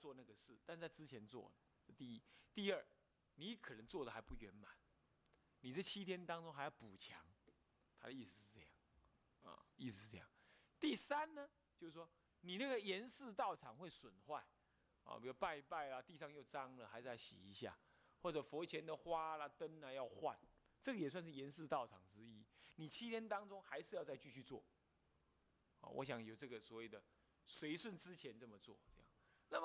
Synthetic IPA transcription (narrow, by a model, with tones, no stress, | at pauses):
t͡swɔ˥˧na˥˩ɡə˨ʂɻ̩˥˩t̪a˥˧nʂt͡sa˥˩ɪt͡sɹ̩˦t͡ɕʰjɛ˨˧˦nt͡swɔ̰˥˩d̪ə˩˥˧t̪i˥˩i˦t̪i˥˧ə˥˩ | ni˨˦kʰɤ˨˩nə˧˦ŋt͡swɔ˥˩d̪ə˨xa˧˥ɪpu˥˩ɥɛ˨˧˦nma˨˦n | ni˨˩t͡sɤ˥˩t͡ɕʰi˥t̪ʰjɛ˥nt̪ɑ˥ŋt͡sʊ˥ŋxa˧˥ɪjɑ˥˩ʊpu˨˩t͡ɕʰjɑ̰˨˧˦ŋ | t̪ʰa̰˥də˨i˥˧s̩˨˩˨ʂ̩˥˧t͡sɤ˥˧jɑ̰˥˩ŋ | ɐ̰˨˩i˥˩s̩˨˧˩ʂ̩˥˧t͡sɤ˥˧jɑ̰˥˩ŋt̪i˥˩sa˦nnə˧ | t͡ɕjo˥˧ʊs̩˥˩ʂwɔ˥ | ni˨˩na˥˩ɡə˩jɛ˧˦nsɹ̩˥˧t̪ɑ˥˩ʊʈ͡ʂʰɑ˨˩˦ŋwe˥˩ɪswə˨˩nxwa˥˩ɪ | ɔ̰˨pi˨˩wɔ˥˧pa˥˧ɪpa˥˩ɪla˨t̪i˥˧ʂɑ˥˧ŋjo˥˧ʊt͡sɑ˦˥ŋlə˨xa˧˥ɪʂ̩˧˩ja˥˩ɕḭ˨˩i˨˦ɕja̰˥˨ | xwɔ˥˩ʈ͡ʂɤ˨˩fɔ˧˦˥t͡ɕʰjɛ˧˦nd̪ə˨xwa˦la˨t̪ə˦nla˨˧jɑ˥˧ʊxwa̰˥˨n | t͡sɤ˥˩ɡə˨jɛ˨˩swa˥˧nʂ̬ɻ̩˥˩jɛ˧˥nsɹ̩˥˧t̪ɑ˥˩ʊʈ͡ʂʰɑ˨˩ŋt͡sɻ̩˦˥i˦ni˨˩t͡ɕʰi˥t̪ʰjɛ˥nt̪ɑ˥ŋt͡sʊ˥ŋxa˧˦ɪʂɻ̩˥˧jɑ˥˧ʊt͡sa˥˧ɪt͡ɕy˥˧t͡ɕʰy˥˧t͡swɔ̰˥˩ | ɔ̰˨wɔ̰˧˦ɕ̬jɑ˨˩ŋjo˨˩ʊʈ͡ʂɤ˥˩ɡə˨swɔ˧˥we˥˨˩ɪd̪ə˩ | swe˧˥ɪswə˥˨nt͡sɻ̩˦t͡ɕʰjɛ˧˦nt͡sɤ˥˩mə˨t͡swɔ̰˥˩t͡sɤ˥˧jɑ̰˥˩ŋna˥˩mə˨˩